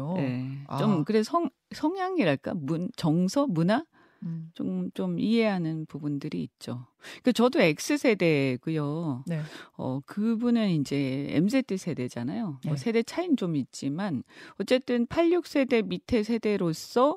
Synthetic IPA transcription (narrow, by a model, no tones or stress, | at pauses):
je̞t͡ɕomkɯɾesʰʌŋ | sʰʌŋjaŋiɾaɭk͈a̰munt͡ɕʌŋsʰʌmuna | t͡ɕomt͡ɕomiɦe̞ɦanɯnpubundɯɾiːt̚t͡ɕ͈o | kɯt͡ɕʌdoe̞k̚s͈ɯsʰe̞de̞ɡujonʌ̰kɯbunɯnind͡ʑe̞ḛms̬ʰetʰisʰe̞de̞d͡ʑanajoʌsʰe̞de̞t͡ɕʰaint͡ɕomit̚t͡ɕ͈imanʌt͡ɕ͈e̞t͈ɯnpʰaʎːuk̚s͈ʰe̞de̞mitʰe̞sʰe̞de̞ɾos͈ʌ